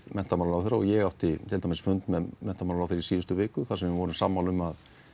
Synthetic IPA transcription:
mɛn̥t̪amaːlɾawθeɾːaɔɣjɛɣawht̪ɪt̪ʰɪlt̪amɪsfʏnt̪mɛðmɛn̥t̪amaːlɾawθeɾisiːðʏst̪ʏvɪːkʏθasɛmvɪvɔːɾʏmsamːaːlʏmað

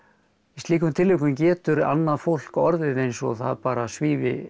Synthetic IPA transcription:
ɪst̪liːkʏmt̪ʰɪlːʏhkʏmcɛːt̪ʏɾa̰nːaðfowl̥kɔɾðɪðejnsɔθa̰ðpaːɾasviːvɪ̰

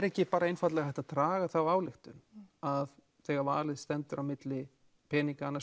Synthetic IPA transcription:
ɛɾɛhcɪpaːɾaejnfat̪lɛɣahɛht̪at̪ɾaːɣaθawaːwlɪxt̪ʏnað | θɛːɣaɾva̰ːlɪðst̪ɛnt̪ʏɾawmɪt̪lɪ | pʰɛːniŋkaanːa

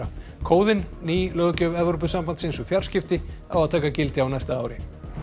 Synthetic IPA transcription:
a | kʰoːwðɪnːiːlœɣcœvɛvɾop̬ʏðsampant̪sɪnsʏfjaɾ̥scɪft̪ɪa̰waðt̪ʰɛːkacɪlt̪ɪawnajst̪aaːwɾɪ

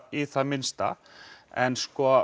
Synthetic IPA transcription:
iθaðmɪnst̪a̰ | ɛnskɔː

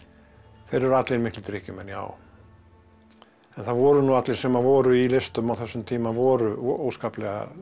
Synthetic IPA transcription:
θejɾɛɾʏat̪lɪɾmɪhklɪt̪ɾɪhcɪmɛnja̰ːw | ɛnθaðvɔːɾʏnuat̪lɪɾ̥sɛmavɔːɾʏilest̪ʏmawθɛsːʏmt̪ʰiːmavɔːɾʏoːwskaːplɛɣa̰

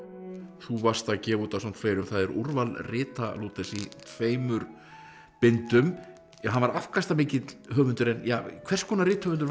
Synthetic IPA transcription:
θuvar̥st̪acɛːvuːt̪asamt̪ʰfeːjɾʏmθaðɛɾʔuɾvalrɪːt̪a̰luːt̪ɛsit̪ʰveːjmʏɾ | pɪnt̪ʏm | ɦanvaɾafkast̪amɪːcɪt̪ɦœːɣvʏnt̪ʏɾɛnjaːkʰvɛrskʰɔːnaɾɪːt̪hœːvʏnt̪ʏɾ

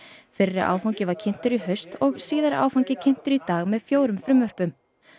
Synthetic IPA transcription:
fɪrːɪʔa̰ːwfawɲcɪvaɾ̥cʰɪn̥t̪ʏɾiɦœɥst̪ɔɣsiːðaɾa̰ːwfawɲcɪcʰɪn̥t̪ʏɾit̪aːɣmɛðfjoːwɾʏmfɾʏmːœr̥pʏm

